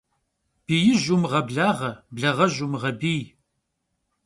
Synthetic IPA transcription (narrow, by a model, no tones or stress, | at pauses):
b̥ijɪʒumʁɐbɮaːʁɐbɮɐʁɐʒumʁɐbiː